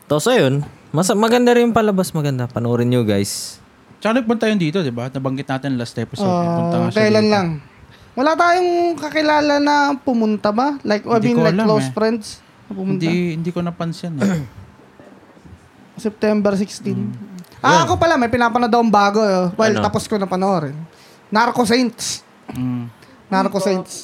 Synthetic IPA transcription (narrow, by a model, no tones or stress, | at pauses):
t̪osɐjon | mɐsmɐɡɐnd̪aɾɪnpɐlɐbasmɐɡɐnd̪apɐnoːɾɪnjʊɡajs | t͡ʃɐanɐj̚pʊnt̪ajʊnd̪iːt̪od̪ɪbanɐbɐŋɡɪt̪naːt̪ɪnlast̪ɛpsoʔʊɐɐhɐlanlɐŋ | wɐlaːt̪aːjoŋkɐkɪlaːlɐnɐpʊmʊnt̪ɐbɐlajkʔinlajkkːlowsfɾɛnd̪s | nɐpʊmʊʊntd̪ahɪnd̪ikonɐpɐnsjɐn | sɛp̚t̪ɛmbɛɾsɪkst̪inʔaɐkopɐlamɐjpɪnaːpɐnɐd̪ɐwŋbaːɡoowɛlt̪ɐposkonɐpɐnoɾɛn | naɾkosɛnt̪s | naɾkosɛnt̪s